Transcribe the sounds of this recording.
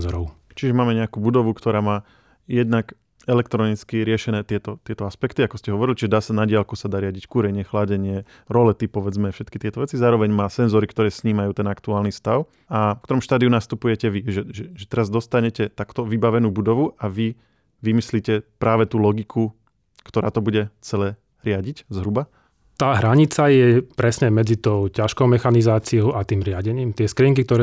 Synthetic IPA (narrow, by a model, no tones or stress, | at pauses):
zɔɾɔʊ | t͡ʃiʒɛmaːmɛɲɛakuːbud̪ɔʋukt̪ɔɾaːmaː | jɛd̪nak | ɛlɛkt̪ɾɔnit͡skiɾɪɛʃɛnɛːt̪ɪɛt̪ɔt̪ɪɛt̪ɔaspɛkt̪iakɔscɛɦɔʋɔɾilʲt͡ʃiʒɛd̪aːsanaɟɪalkɔsad̪aːɾɪaɟickuːɾɛɲɪɛxlaɟɛɲɪɛ | ɾɔlɛt̪ipɔʋɛd͡zmɛfʃɛt̪kit̪ɪɛt̪ɔʋɛt͡sizaːɾɔʋɛɲmaːsɛnzɔɾikt̪ɔɾɛːsɲiːmajuːt̪ɛnakt̪uaːlnist̪aʊ | akt̪ɔɾɔmʃt̪aːd̪iunast̪upujɛcɛʋiʒɛʒɛʒɛt̪ɛɾazd̪ɔst̪aɲɛcɛt̪akt̪ɔʋibaʋɛnuːbud̪ɔʋuʔaʋi | ʋimisliːcɛpɾaːʋɛt̪uːlɔɡikʰu | kt̪ɔɾa̰ːt̪ɔbuɟɛt͡sɛlɛː | ɾɪaɟiczɦɾuba | t̪aːɦɾaɲit͡sajɛpɾɛsɲɛmɛd͡zit̪ɔʊcaʃkɔʊmɛxanizaːt͡siɔʊʔat̪iːmɾɪaɟɛɲiːmt̪ɪɛskɾiŋkik̚t̪ɔɾɛ